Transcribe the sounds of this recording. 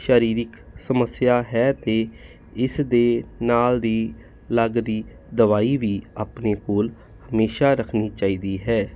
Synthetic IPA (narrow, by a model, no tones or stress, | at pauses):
ʃəːɾiːɾɪk | səməsɪjaːɦɛːt̪eː | ɪsd̪eːnaːld̪iː | ləɡd̪iː | d̪əʋaːiːʋiːaːpneːkoːl | həmeːʃaːɾəkʰniːt͡ʃaːiːd̪iːɦɛː